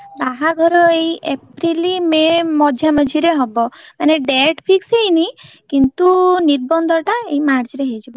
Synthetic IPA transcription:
baɦaɡʱɔɾɔejʔepɾilimemɔd͡ʒʱjaməd͡ʒʱiɾeɦɔbɔmaneɖeʈpʰiksejni | kint̪uniɾbɔnd̪ʱɔʈaeimaɾd͡ʒɾeɦejd͡ʒibɔ

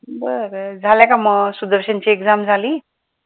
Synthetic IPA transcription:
bəɾd͡zʱaljãkaməɡsud̪əɾɕant͡ɕiːeɡd͡zamd͡zʱaliː

